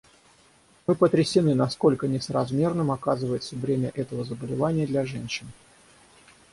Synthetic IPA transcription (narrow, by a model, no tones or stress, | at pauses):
mɨpət̪ɾʲɪsʲɪnɨnɐsko̞lʲkənʲɪsəɾɐzmʲe̞rnɨmɐkazɨvəjɪt̪səvɾʲemʲə̰ʔɛt̪əvəzəbəlʲɪvanʲɪjəd̪lʲaʐɛnʲɕːɪn